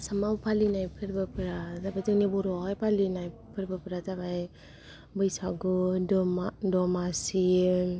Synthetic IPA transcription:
samawpʰalinajpʰɯɾbɯpɾazabajtɯŋnibɔɾɔkajpalinajpʰɯɾbɯpɾatabaj | bɯjsaɡudɔmadɔmasi

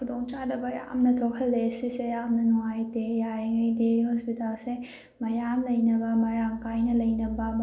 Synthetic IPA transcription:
kʰudoŋt͡ʃadɐbɐja̰mnɐtʰokʰɐlːesisejamnɐnuwajdejaɾiŋɐjdeɦɔspitalse | mɐjamlɐjnɐbɐmɐɾaŋkajnɐlɐjnɐbɐm

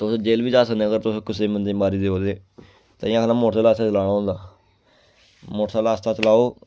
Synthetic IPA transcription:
t̪ʊsd͡ʒeːlʋiːd͡ʒaːsənːəɡəɾt̪ʊskʊseːmənd̪eːmaːɾiːd̪eːoːd̪eː | t̪a̰ːĩãːkːnaːmoːʈʰsaːlaːst̪aːt͡ʃəlaːɽ̃aːɦõːnd̪aː | moːʈʰsaːlaːst̪aːt͡ʃəlaːoː

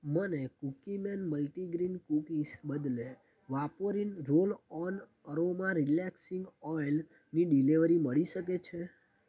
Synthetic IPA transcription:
mənekukimɛnməlʈiɡɾinkukisbəd̪le | ʋapoɾinɾolɔn | əɾomaɾilɛksiŋɡɔjl | niɖiliʋɾiməɭiʃək̬et͡ʃʰe

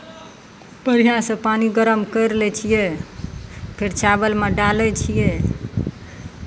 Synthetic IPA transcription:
pəɾijasə̃paniɡəɾəmkəjɾlɛt͡ʃʰije | pʰeɾt͡ʃʰabəlmeɖalɛt͡ʃʰijɛ

